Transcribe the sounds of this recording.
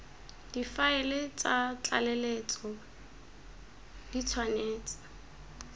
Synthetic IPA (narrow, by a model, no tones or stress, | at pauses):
d̥ifaɪlɪt͡sʼat͡ɬʼa̰lɛlet͡sʼɔ | dit͡sʰwaneːt͡sʼḁ